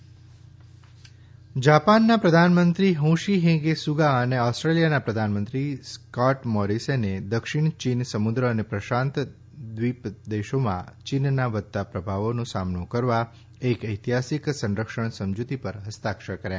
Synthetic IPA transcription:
d͡ʒapanːapɾəd̪ʱanmənt̪ɾiɦũʃiɦẽɡesuɡaəneɔsʈɾelijanapɾəd̪ʱanmənt̪ɾiskaʈmɔɾisened̪əkʃɪɽ̃t͡ʃinsəmud̪ɾəːnepɾəʃãnt̪ | d̪ʋipd̪eʃomã̰t͡ʃinnaʋət̪ːapɾəbʱaʋonũsamnukəɾʋa | ekəjt̪iɦasiksə̃nɾəkʃəɳsəmd͡ʒut̪ipəɾɦəst̪akʃəɾkəɾjã̰

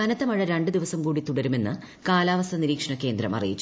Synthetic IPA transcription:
ɐnɐt̪ːɐmɐɻɐɾeɳɖɨd̪iʋɐsɐmkuːɽit̪uɽɐɾume̞nːɨ | kaːlaːʋɐst̪ʰɐniɾiːkʂɐɳɐkːe̞ːnd̪ɾɐ̰mɐ̰rḭjit͡ɕːu

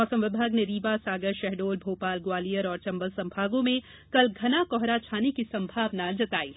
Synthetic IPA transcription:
ɔːsə̃mʋɪbʱaːɡneɾiːʋasaːɡəɾʃɛɦɖoːlbʱoːpaːlɡwaːlijəɾɔːɾt͡ʃɐ̃mbəlsɐ̃mbʱaːɡõmẽ | kɐlɡʱɐnakɔɦɾat͡ʃʰaːnikisɐ̃mbʱaːʋnad͡ʒɐt̪aːiː

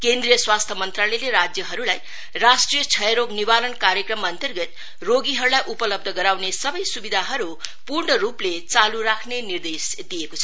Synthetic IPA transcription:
kend̪ɾijʌswast̪ʰʌmʌnt̪raleleɾad͡zjʌɦʌɾulaj | rasʈrijʌt͡sʰʌjɾoɡnibalʌnkaɾjʌkrʌmːaːnt̪ʌrɡʌt̪ | roɡiɦʌɾulajʔupʌlʌb̚d̪ʱʌɡʌɾawnesʌbʌjsubid̪ʱaɦʌɾu | purɳʌɾuplet͡saluɾakʰnenird̪es | d̪ijekot͡sʰʌ

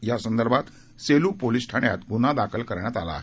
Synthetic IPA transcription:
jasənd̪əɾbʱat̪ | selupolisʈʰaɳja̰t̪ɡunad̪akʰəlkəɾɳjat̪ala̰ːɦ

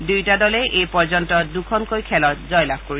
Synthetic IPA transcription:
dujtadɔlɛʔejpɔɹzɔntɔdukʰɔnkojkʰɛlɔt̚zɔjlab̚ʱkoɹi

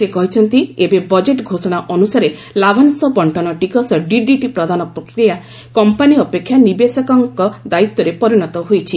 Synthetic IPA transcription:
sekɔɦit͡ʃʰɔnt̪iebebɔd͡ʒeʈɡʱosɔɽ̃aʔɔnusaɾe | labʱansɔbɔɳʈɔnɔʈikɔsɔɖiɖiʈipɾɔd̪ʱanɔpɾɔkɾija | kɔmpaniɔpekʰːjanibesɔkɔŋkɔd̪ait̪ːɔɾepɔɾiɽ̃ɔt̪ɔɦojt͡ʃʰi

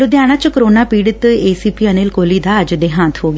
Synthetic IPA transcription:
ɾʊd̪jaːɽ̃ãt͡ʃkəɾoːnaːpiːɽət̪eːsiːpiːəneːlkoːliːd̪aːəd͡ʒd̪eːɦãːt̪ʰɦoːɡa

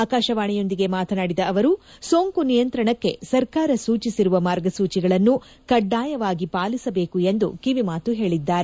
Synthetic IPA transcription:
aːkaːʃɐʋaːɳɛjo̞nd̪iɡe̞maːt̪ʰɐnaːɽid̪ɐʔɐʋɐɾuso̞ːŋkunijɐnt̪ɾɐɳɐkːe̞̰sɐɾkaːɾɐsuːt͡ʃisiɾuʋɐmaːɾɡɐsuːt͡ʃiɡɐɭɐnːu | kɐɖːaːjɐʋaːɡipaːlisɐbe̞ːkue̞nd̪ṵkiʋimaːt̪uɦe̞ːɭid̪ːaːɾe

